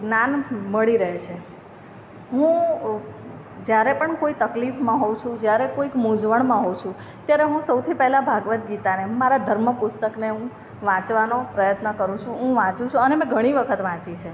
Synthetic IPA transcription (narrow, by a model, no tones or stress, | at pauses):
ɡnanməɭiɾəɦet͡ʃʰe | ɦũ | d͡ʒjaɾepəɳkoit̪əklifmãɦot͡ʃʰũd͡ʒjaɾekoikmũd͡ʒʋəɳmãɦot͡ʃʰũ | t̪jaɾeɦũsəwt̪ʰipɛɦlabʱaɡʋət̪̚ɡit̪anemaɾad̪ʱəɾməpʊst̪əkneɦũ | ʋãt͡ʃʋanopɾəjət̪nəkəɾũt͡ʃʰũɦũʋãt͡ʃũt͡ʃʰũənemɛ̃ɡʱəɽ̃iʋəkʰət̪ʋãt͡ʃit͡ʃʰe